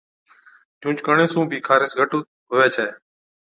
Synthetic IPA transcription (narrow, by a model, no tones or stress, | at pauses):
d͡ʒũːt͡ʃkəɳeːsũːbʱiːkʰaːɾɪsɡʱəʈuː | ɦoːʋeːt͡ʃʰaːeː